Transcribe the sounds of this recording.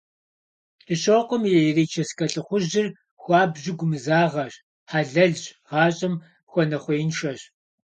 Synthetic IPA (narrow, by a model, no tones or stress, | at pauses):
d̥ʰɨɕoːqʷɔmjɛjreːt͡ʃʰɐskʰɐɬʼɨχʷʊʑɪr | xʷɑːbʑɪɡʷʊmɨzaːʁɐɕ | ħaːɮɐɮɕʁɑːɕʼɐm | xʷɔnɐχʷɔjnʃɐɕ